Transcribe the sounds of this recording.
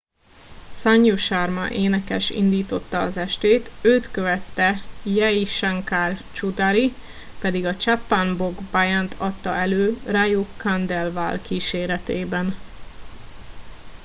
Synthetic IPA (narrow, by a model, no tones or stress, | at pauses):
saɲːuʃarmɒ̰ʔeːnɛkɛʃḭnd̪iːt̪o̞t̪ːɒːzɛʃt̪eːt̪øːt̪køvɛt̪ːɛjɛiʃaŋkaːrt͡ʃud̪aɾi | pɛd̪iɡɒt͡ʃapːanboɡbajant̪ʰɒt̪ːɒ̰ɛløːrajoːkand̪ɛlvaːlkiːʃeːɾɛt̪eːbɛn